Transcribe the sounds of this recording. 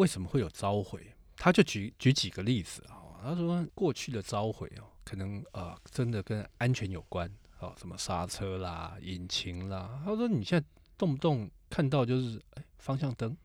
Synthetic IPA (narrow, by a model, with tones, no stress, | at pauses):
we˥˩ɪʂə˧˥nmə˧xwe˥˩ɪjo˨˩ʊʈ͡ʂɑ˦˥ʊxwe˨˩˦ɪt̪ʰa˥t͡ɕjo˥˩ʊt͡ɕy˨˥t͡ɕy˧˨˥t͡ɕi˨˩ɡə˦li˥˩d͡zɹ̩˨˩xɔ˨˩t̪ʰa˥ʂwɔ˥a˥kwɔ˥˧t͡ɕʰy˥˩d̪ə˨t͡sɑ˦˥ʊxwḛ˨˩˦ɪɔ˨˩kʰɤ˨˩nɤ˧˦ŋə˨˩ʈ͡ʂə˦˥nd̪ə˨kə˦˥na˦nt͡ɕʰɥɛ˧˦njo˨˩ʊkwa˦n | ɔ̰˨˩ʂə˧˦nmə˧ʂa˥t͡sʰɤ˥la˨i˨˩nt͡ɕʰi˧˥ŋla˨t̪ʰa˥˩ʂɔ˥ni˨˩ɕjɛ˥˨na˥˧ɪ | t̪ʊ˥˧ŋ˧t̪ʊ˥˨ŋkʰa˥˧nt̪ɑ˥˧ʊt͡ɕjo˥˧ʊʂɻ̩˥˩e˥˩ɪfɑ˥ŋɕjɑ˥˨˩ŋt̪ə˥ŋ